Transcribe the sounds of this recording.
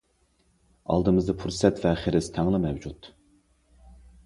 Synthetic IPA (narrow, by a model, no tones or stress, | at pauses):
ɑ̰lˠd̪ɨmɨzd̪ɨpʰuɾsɛt̪vɛχeɾɪst̪ʰɛŋlˠɨmɛwd͡ʒut̪